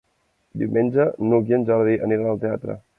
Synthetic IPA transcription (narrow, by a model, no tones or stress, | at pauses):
d̪iwmenʲd͡ʒənukjənʒaɾðiʔə̰niɾənəlˠt̪eat̪ɾə̰